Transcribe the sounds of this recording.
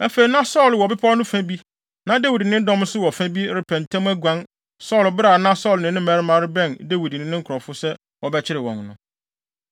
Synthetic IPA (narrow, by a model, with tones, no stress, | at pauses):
æ˦fe˨i˨nã˦sɔ˦˨lwɔ˨bɪ˦pʰa˦nʊ̃˦fæ̃˦bi˦ | nã˨de˦wi˨dnɪ̃˦n˦dɔ̃˦m˦sʊ˦wɔ˨fæ̃˦bi˦ɾɪ˨pʰɛ̃˨n˨tʰɛ̃˦m˦æ˦ɡʷã˦n | sɔ˦˨lbɪ˦ɾa˨nã˦sɔ˦˨lnɪ̃˨nɪ̃˦mæ˨ɾɪ˦mã˨ɾɪ˦bɛ̃˦˨nde˦wi˨dnɪ̃˨nɪ̃˦ŋ̩˦kʰɾɔ˨fʊ˦sɛ˦ | wɔ˨bɛ˦t͡ɕʰɪ˦ɾɪ˨wɔ̰̃˨nnʊ̃˨